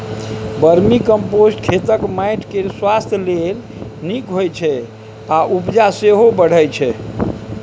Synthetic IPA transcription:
bəɾmikəmposʈkʰet̪əkmajʈʰkeswast̪ʰjəlel | nikɦojt͡ʃʰɛ | aʔupd͡ʒaseɦobəɽ̤əjt͡ʃʰɛ

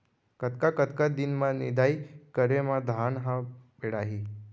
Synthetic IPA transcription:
kət̪kakət̪kad̪inmanid̪ajkəɾemad̪ʱanɦãpeɽaɦiː

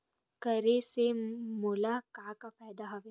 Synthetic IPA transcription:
kɐɾesemulakaːkapɛːjd̪aɦɐʋe

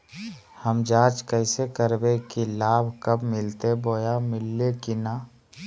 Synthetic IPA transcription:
həmd͡ʒaːt͡ʃkəɪsekəɾbekilaːbʱkəbmɪlt̪eboːjamɪlːekinaː

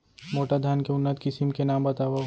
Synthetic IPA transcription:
moːʈad̪ʱjaːnkeʊnːət̪kɪsɪmkenaːmbɐt̪aːʋa

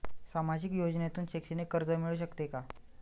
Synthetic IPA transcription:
samad͡ʑikjod͡ʑnjat̪uːnɕekɕinekəɾd͡zəmiɭuːɕ̬əkt̪eka

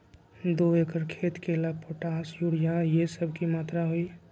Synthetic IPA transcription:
d̪oekəɾkʰet̪kelapʰoʈaːsjuɽijajesəbʱkimaːt̪ɾaɦoi

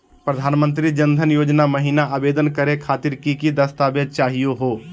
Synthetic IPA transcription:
pɾəd̪ʱaːnmə̃nt̪ɾid͡ʒə̃nd̪ʱənjoːd͡ʒnamɐɦiːnaʔaːbeːd̪ənkəɾekʰaːt̪ɪɾkikid̪ɐst̪aːbjəd̪̚t͡ʃaːɦijoɦoː

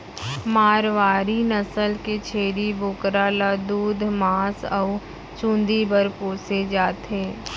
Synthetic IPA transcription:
maːɾʋaːɾinəsəlket͡ʃʰeːɾiboːkɾaːlad̪uːd̪ʱmaːsə | t͡ʃũːnd̪ibəɾpoːsed͡ʒaːt̪ɦẽː

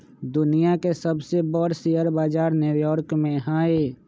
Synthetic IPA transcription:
d̪ʊnijakesəbsebɔɾsiəɾbaːd͡ʒaːɾnjujɔːɾkmẽaːe

